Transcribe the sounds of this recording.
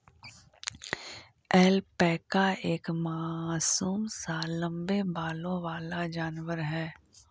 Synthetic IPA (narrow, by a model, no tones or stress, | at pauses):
ɛːlpɛːkaeːkmaːsuːmsaːlːə̃mbebaːlõʋaːlad͡ʒaːnʋəɾɦɛː